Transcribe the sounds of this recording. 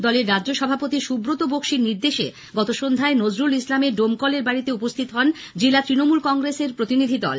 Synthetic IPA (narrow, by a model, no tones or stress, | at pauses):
d̪ɔleɾːadd͡ʑoʃɔbʱapot̪iʃubɾot̪obokʃiɾniɾd̪eʃḛ | ɡɔt̪oʃond̪ʱaenod͡ʑɾulislameɖomkɔleɾbaɾit̪eupost̪ʰit̪oɦɔn | d͡ʑelat̪ɾinomulkɔŋɡɾeseɾpɾot̪inid̪ʱid̪ɔ̰l